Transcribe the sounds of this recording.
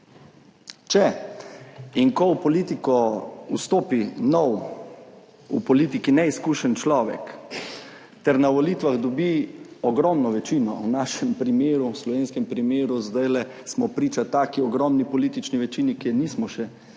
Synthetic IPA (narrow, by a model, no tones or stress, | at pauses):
t͡ʃɛ | iŋkɔwpɔliːt̪ikɔust̪oːpinɔw | upɔliːt̪ikinɛiskuʃɛnt͡ʃlɔːʋɛ̰k | t̪ɛɾnaʋɔlit̪ʋaɣd̪ɔbiɔɡɾɔmnɔʋɛt͡ʃinɔ̰wnaːʃɛmpɾimeːɾuwslɔʋeːnskɛmpɾimeːɾuzd̪ajlɛ | smɔpɾiːt͡ʃat̪aːkiɔɡɾɔmnipɔliːt̪it͡ʃniʋɛt͡ʃinikɛniːsmɔʃɛ